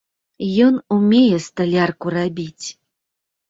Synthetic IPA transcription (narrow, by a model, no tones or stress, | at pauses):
jɔnumʲejɛst̪alʲarkurabʲit͡sʲ